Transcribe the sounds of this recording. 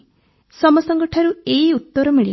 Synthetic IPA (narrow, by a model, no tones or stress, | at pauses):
sɔmɔsɔŋɡɔʈʰaɾueiut̪ːɔɾɔmiɭi